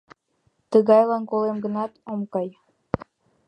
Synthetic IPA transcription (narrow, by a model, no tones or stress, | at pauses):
t̪əɣɑjlɑnkolemɡə̆nɑt̪omkɑj